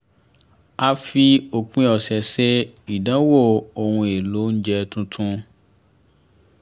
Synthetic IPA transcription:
a˧fi˧o˧kũ˦ɔ˨sɛ˨se˦i˨dã˨˦wo˦˨o˨hũ˧e˨lo˨˦n̩˦d͡ʒɛ˧tũ˧tʰũ˦

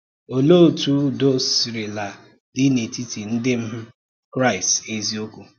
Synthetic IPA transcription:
o˨lo˦˨tu˦do˦si˨ɾɪ˨la˨ | dɪ˦ne˨ti˦ti˨n̩˦dɪ˦m̩˦m̩˦ | kɾa˦ɪ˨ste˦zi˦o˦kʷu˦

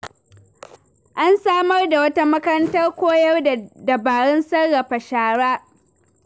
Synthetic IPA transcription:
ʔa˦nsaː˦mɐ˦rda˨wɐ˦ta˦mɐ˦kɐ˦ɾɐ˦ntɐ˦rkʷoː˦jɐ˦rddɐ˨baː˨ɽɛ˦nsɐ˦rːa˨ɸa˨ʃaː˨ɽaː˦

